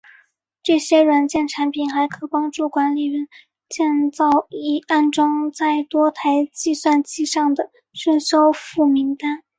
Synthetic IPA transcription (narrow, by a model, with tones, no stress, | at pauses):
ʈ͡ʂɤ˥˩ɕjɛ˥ɻwa˧˥nt͡ɕjɛ˥˩nʈ͡ʂʰa˧˥npʰi˨˩nxa˧˥ɪkʰɤ˧˥pɑ˥ŋʈ͡ʂu˥˩kwa˧˥nli˨˩ɥə˧˥n | t͡ɕjɛ˥˧nt͡sɑ˥˩ʊi˧˥˩a˥˩nʈ͡ʂʊ˥ŋt͡sa˥˩ɪt̪wɔ˥t̪ʰa˧˥ɪt͡ɕi˥˧swa˥˧nt͡ɕi˥ʂɑ˥˩ŋd̪ə˩ | ɕə˥˩nɕo˥ʊfu˥˩mi˧˥ŋt̪a˥n